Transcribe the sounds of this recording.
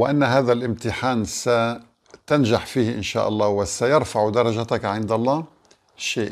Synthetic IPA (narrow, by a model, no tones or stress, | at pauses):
wɪʔanːɦaːðalʔɪmt̪ɪħaːnsa | t̪anʒaħfiːhʔɪnʃa̰ːʔɑ̰lˤːɑːwɪsajɑɾfaʕd̪ɑɾˤɑʒat̪akʕɪnd̪alˤːɑː | ʃeːʔ